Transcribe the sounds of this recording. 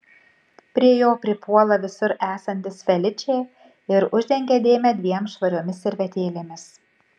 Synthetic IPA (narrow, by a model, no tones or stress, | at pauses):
pʲɾʲiɛjoːpʲɾʲɪpuɔlˠɐʋʲɪsʊɾæːsɐnʲt̪ʲɪsfʲɛlʲɪt͡ʃʲɛː | ɪɾʊʒʲd̪ʲɛŋʲɡʲɛd̪ʲeːmʲɛd̪ʲʋʲiɛmsʃʋɐɾʲoːmʲɪsɪɾʲʋʲɛt̪ʲeːlʲeːmʲɪs